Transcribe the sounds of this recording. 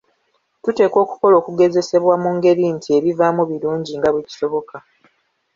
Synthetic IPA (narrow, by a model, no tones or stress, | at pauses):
tute̞ːko̞ːku̥ko̞lo̞ːkuɡe̞ze̞se̞βwamuŋɡe̞ɾintʰie̞βivaːmuβiluːɲɟiŋɡaβweci̥so̞βo̞ka